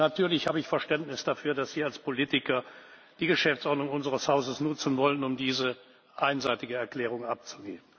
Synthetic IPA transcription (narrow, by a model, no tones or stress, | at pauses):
natʰyːɐlɪçhaːbəɪçfɛɐʃtɛntnɪsd̥afyːɐdasz̥iːɐalspʰoliːtɪkɐ | d̥iːɡəʃɛft͡sʔɔɐdnʊŋʊnzəʁəshaʊzəsnʊt͡sn̩vɔlənʊmdiːzə | ʔaɪnzaɪtɪɡəɛɐkl̥ɛːʁ̞ʊŋʔap̚t͡suɡeːbən